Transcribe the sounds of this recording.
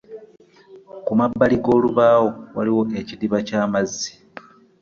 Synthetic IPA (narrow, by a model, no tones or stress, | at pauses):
kumabːaliɡo̞ːluβaːwo̞waliwo̞ʔe̞cidiβacaːmazːi̥